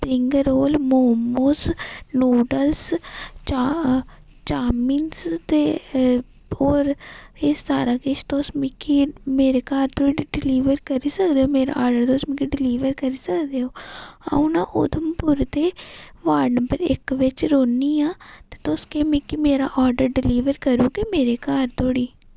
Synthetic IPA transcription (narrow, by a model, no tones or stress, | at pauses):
pɾɪŋɡɾoːlmoːmoːsnuːɖəlst͡ʃː | t͡ʃaːmiːnst̪eː | oːɾɪsːaːɾaːkɪt͡ʃt̪oːsmɪkimeːɾeːkaːɾt̪oiɖɪliːʋəɾkəɾiːsəkd̪eːoːmeːɾa̰ːʔɔːɾɖəɾt̪osmikiɖɪliːʋəɾkəɾiːsəkd̪eːɦoːã̰ʊnãːʔʊ̰d̪əmpʊɾt̪eːʋaːɾnəpəɾɪkʋɪt͡ʃɾoːniːãːt̪e̥ːt̪oːskeːmẽkimeːɾaːʔɔːɾɖəɾɖɪliːʋəɾkəɾuːkemeːɾeːkaːɾt̪oːɽiː